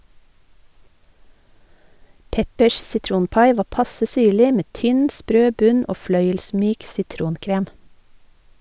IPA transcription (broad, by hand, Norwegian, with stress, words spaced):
ˈpɛpəʃ sɪˈtɾuːnˌpɑɪ ˈʋɑː ˈpɑsə ˈsyːɭɪ ˈmeː ˈtʏn ˈspɾøː ˈbʉn ˈoː ˈflœʏəlˌsmyːk sɪˈtɾuːnˌkɾeːm